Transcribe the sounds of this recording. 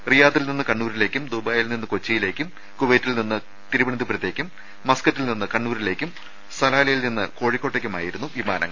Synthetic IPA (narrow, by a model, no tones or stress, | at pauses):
rijaːt̪ːilninːɨkɐɳːuːɾile̞ːkʲːumd̪ubaːjilninːɨko̞t͡ɕːɐjile̞ːkʲːum | kuʋeːtːilninːɨ | t̪iɾubɐɳɐt̪d̪ɨprɐt̪jeːkʲːumː | ɐskɐtːilninːɨkɐɳːuːɾile̞ːkʲːum | st̪ʰɐlaːlɐjilninːɨko̞ːɻikʲːo̞ːʈːe̞kːumaːjiɾunːuʋima̰ːnʔɐ̰ŋːɐ̰ɭ